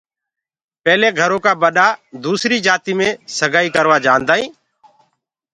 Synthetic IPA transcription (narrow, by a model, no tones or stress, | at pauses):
pɛːleːɡʱəɾõːkaːɓəɗaːd̪uːsɾiːd͡ʒaːt̪iːmẽːsəɡʱaːiːkəɾʋaːd͡ʒaːnd̪aːĩː